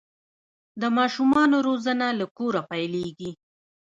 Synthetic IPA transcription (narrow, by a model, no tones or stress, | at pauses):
d̪əmɑʃumɑnoɾozanalakoɾapajleɡi